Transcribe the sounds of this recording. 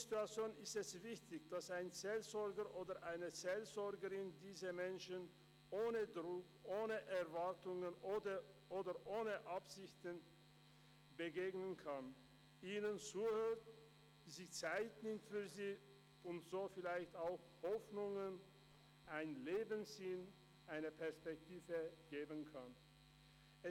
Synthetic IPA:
zituat͡sjoːnɪstɛsv̥ɪçtɪçd̥asaɪnt͡sɛlzɔɐɡəʔoːdɐʔaɪnət͡sɛlzɔɐɡəʁɪndiːzɐmɛnʃən | ʔoːnədʁʊkʔoːnəʔɛʁvaɐtʊŋənʔoːdə | ʔoːdɐʔoːnəʔapz̥ɪçtən | bəɡeːɡnənkʰan | ʔiːnənt͡suːhøːt | ziːt͡saɪtnɪmtfyːɐziː | ʊntz̥oːfɪlaɪçtaʊx | hɔfnʊŋən | ʔaɪnleːbənz̥in | ʔaɪnəpʰɛɐspɛk̚tʰiːvəɡ̥eːbənkʰan | ɛ

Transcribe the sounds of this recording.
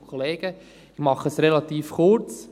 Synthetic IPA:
kʰχɔleːɡ̥ə | ɪmɑχəsrelɑt̪iːfχʊɾt͡s

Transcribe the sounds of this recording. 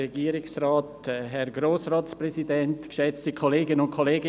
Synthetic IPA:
ɛɡiːɾɪksraːtɦɛɾɡɾoːsraːtsprɛzidɛntɡ̥ʃɛt͡stəkʰoleːɡənʊntkʰoleːɡ

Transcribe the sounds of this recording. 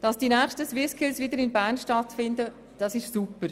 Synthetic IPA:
d̥ɑsd̥inæːχʃtəswɪskʰɪlsʋɪdəɾɪnbæːnʃtɑtfɪndə | d̥ɑsɪʃsupəɾ

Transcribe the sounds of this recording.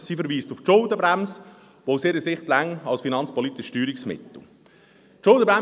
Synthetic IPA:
sifəɾʋiːstʊft͡ʃʊld̪əbɾæms | ʋoʊsɪɾəsɪχtlæŋɑlsfinɑnt͡spɔlit̪ɪʃtyːɾɪksmɪ̰t̪l̩ | t͡ʃʊldəba

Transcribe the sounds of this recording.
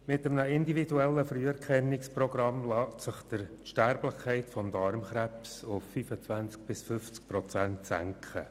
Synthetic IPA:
mɪtəmnəɪndividuɛlːəfryɛɾkχɛnːɪksprɔɡ̥rɑmlɑːtsɪχd̥əɾʃtæɾblɪχkʰːɛɪtfɔmdɑɾmχɾæpsʊfːyfət͡svænt͡sk̚b̥ɪsfʏft͡sk̚pɾɔt͡sæntsæ̰ŋkχə̰

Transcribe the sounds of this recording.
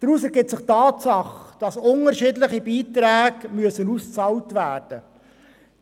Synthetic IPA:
d̥əɾusɛɾɡɪp̚tt͡ssɪχtɑːtsɑχd̥ɑsʊnəɾʃɪdlɪχibiːt̪ɾæːɡmyəsənust͡sɑwtvæːrd̥ə

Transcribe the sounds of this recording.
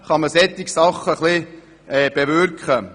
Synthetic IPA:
χɑməsɛt̪ːɪksɑχːəχli | ɛːb̥eʋʏɾkχə

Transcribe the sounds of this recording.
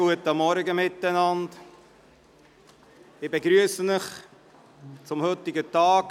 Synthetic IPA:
uətəmːɔɾɡəmɪtːænɑnd | ɪbeɡɾyəsənɪχ | t͡sʊmhɵt̪ɪɡətɑːɡ

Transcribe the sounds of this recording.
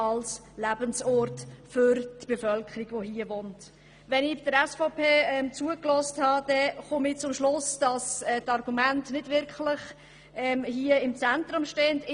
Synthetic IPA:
ɑls | læbənsɔɾtfʏɾtb̥efœlkʰəɾiɡ̥ʋoɦiəvoːnt | ʋɛnɪbɪd̥əɾɛsfɔpʰeːɛmt͡suəklɔːsthɑd̥ɛχʊmɪt͡sʊmʃlʊsd̥ɑsɛtɑɾɡumæntnɪd̥vɪɾkʰlɪχ | ɛːmhiəɪmt͡sɛntɾʊmʃteːndɪ

